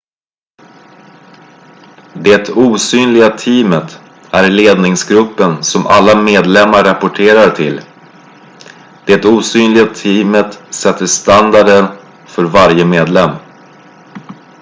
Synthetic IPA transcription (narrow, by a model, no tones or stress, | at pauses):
d̪ɛt̪uːsyːnlɪɡat̪ʰiːmət̪ | æɾleːd̪nɪŋsɡɾɵpːənsɔmʔa̰lːameːd̪lɛmːaɾapʊʈʰeːɾaɾʈʰɪ̰l | d̪̥ɛt̪uːsyːnlɪɡat̪ʰiːmət̪sɛt̪ːəʂt̪and̪aɖən | fœɾvaɾjəmeːd̪lɛmː